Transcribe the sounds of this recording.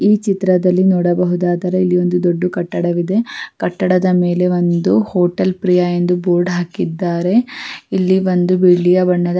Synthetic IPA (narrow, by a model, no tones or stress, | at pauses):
iːt͡ʃit̪ɾɐd̪ɐlːinɔːɽɐbɐɦud̪aːd̪ɐɾɐilːio̞nd̪ud̪oɖːukɐʈːɐɽɐʋid̪e̞kɐʈːɐɽɐd̪ɐme̞ːle̞ʋo̞nd̪uhoːʈɐlpɾijaend̪uboːɾɖɦaːkid̪ːaːɾe̞ilːiʋo̞nd̪ubiɭːijɐbɐɳːɐd̪ɐ